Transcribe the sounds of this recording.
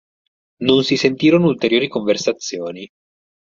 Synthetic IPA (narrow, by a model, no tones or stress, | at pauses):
nonsisent̪iːɾonoult̪eɾjoːɾikoɱversat̪sːjoːni